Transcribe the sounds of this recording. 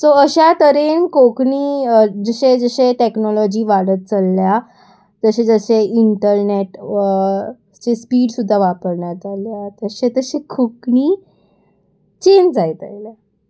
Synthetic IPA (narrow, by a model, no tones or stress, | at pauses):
soəɕat̪əɾenkokɳiːd͡zəɕed͡zəɕeʈeknɔlɔd͡ʑiːʋaɽət̪̚t͡səlːja | t̪əɕẽd͡zəɕeiɳʈəɾneʈ | t͡ɕespiːɽsud̪ʱːaʋapəɾɳjat̪aljat̪əɕet̪əɕekʰokɳiː | t͡ɕend͡zajt̪a̰jla